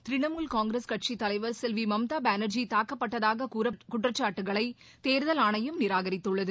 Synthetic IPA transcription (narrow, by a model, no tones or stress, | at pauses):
t̪ɾɪɳɐmuːlkaːŋɡɾeskɐʈ̚t͡ʃit̪ːɐlɐɪʋɐɾsɛlʋimɐmt̪aːbaːnɐɾd͡ʒit̪aːkːɐpːɐʈːɐðaːɣɐɾɐkʊʈrɐt͡ʃːaːʈːɯɣɐɭɐɪ | t̪eːɾɯðɐlaːɳɐjɯmnɪɾaːɣɐɾɪt̪ːɯɭːɐðɯ